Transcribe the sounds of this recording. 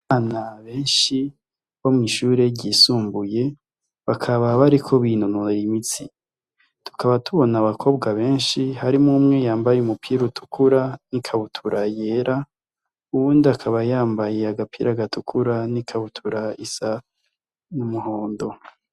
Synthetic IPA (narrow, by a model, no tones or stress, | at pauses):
anaβe̞ːnʃi | βo̞mŋiʃuːɾe̞ɟiːsuːmbuje̞ | βakʰaβaβaɾikʰo̞βinunuimit͡si | tʰu̥kʰaβatʰuβo̞naβakʰo̞ːbɡaβe̞ːnʃihaɾimumŋe̞jaːmbajumupʰiɾutʰu̥kʰuɾanikʰaβutʰuɾajeɾa | uβuːndiakʰaβajaːmbajeaɡapʰḭɾaɡatʰukʰuɾanikʰaβutʰuɾaisa | numuho̞ːndo̞